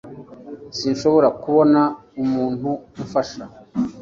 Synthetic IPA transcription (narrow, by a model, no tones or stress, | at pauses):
sinʃo̞βo̞ɾakuβo̞naumuːnhuufaʃa